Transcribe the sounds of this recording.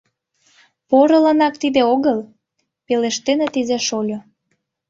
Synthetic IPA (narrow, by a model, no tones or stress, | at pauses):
poɾə̆lənɑk̚t̪id̪eoɣəl | peleʃt̪enet̪ezæʃolʲo